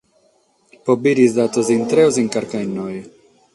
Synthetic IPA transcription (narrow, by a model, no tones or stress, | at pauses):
pobiɾizd̪at̪ozint̪ɾeoziŋkaɾkajnːoj